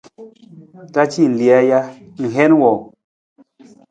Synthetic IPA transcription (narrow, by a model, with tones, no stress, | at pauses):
ta˦t͡ʃi˦˨n̩˨li˨a˦ja˦ | ŋ̩˨ɦe˦n˦wɔ˨